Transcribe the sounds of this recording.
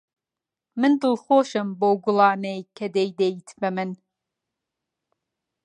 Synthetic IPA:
mɨndɨlχʷoːʃɐmbowɡʷʊlaːnejkʰɐdejdejtʰbɐmɨn

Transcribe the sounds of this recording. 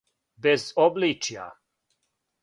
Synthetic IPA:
bɛzɔblit͡ʃja̰

